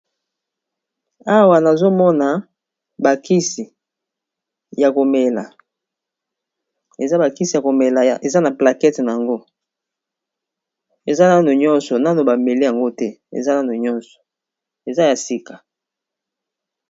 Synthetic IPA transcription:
a˦wa˨na˨zo˦mɔ˦na˨ | ba˨ki˦si˨ | ja˨ko˨mɛ˨la̰˨ | e˨za˦ba˨ki˦si˨ja˨ko˨me˨la˨ja˨ʔe˨za˦na˨pla˨kɛ˦tna˨a˨ŋɡo˦ | e˨za˦na˦no˨ɲɔ˦nsɔ˨na˦no˨ba˨me˨li˦ja˨ŋɡo˦tɛ˦ḛ˨za˦na˦no˨ɲɔ˦nsɔ̥˨ | e˨za˦ja˨si˦kḁ˨

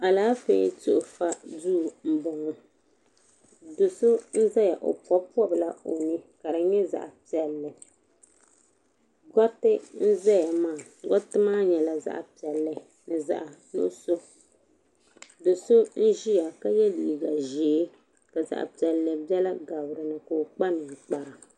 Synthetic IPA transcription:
a˨laː˦fḛː˨˦tʊ˦ʔʊ˨fa˦du˦˨m̩˦bɔ˨ŋɔ˨ | do˨so˦n̩˦zɛ˦ja˨ʔo̰˨pɔ˦pu˦ɔ˦bla˦o˨nɨ˦ka˨ɾɨ˨ɲɛ˦za̰˨ʔa˨pi˨ɛ˨lːɨ˨ | ɡɔ˦tːɪ˦n̩˦zɛ˦ja˨maː˦˨ | ɡɔ˦tɨ˦maː˦ɲɛ˨la˦za̰˦ʔa̰˨pi˨ɛ˨lːɨ˦ | nɨ˨za̰˦˨ʔa˨nʊ̰˦so˦ | do˨so˦n̩˦ʒi˦ja˨ka˦jɛ˦liː˨ɡa˨ʒeː˨˦ | ka˨za̰˨ʔa̰˨pi˨ɛ˨lːɨ˨bjɛ˦la˦ɡa˨bɾɨ˨nɨ˨ko˨k͡pa˦nɨ˨k͡pa˨ɾa˨

